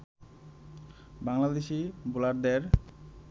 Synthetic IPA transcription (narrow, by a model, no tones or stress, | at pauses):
baŋlad̪eʃibulaɾd̪eɾ